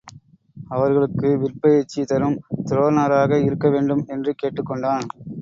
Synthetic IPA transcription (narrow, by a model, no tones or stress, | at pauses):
ɐʋɐɾɣɐɭɯkːɯʋɪɾpɐjɛt͡ʃːit̪ɐɾɯmt̪ɪɾoːnaːɾaːɣɐɪɾɯkːɐʋeːɳɖɯmɛndrɯkeːʈːɯkːɔɳɖaːn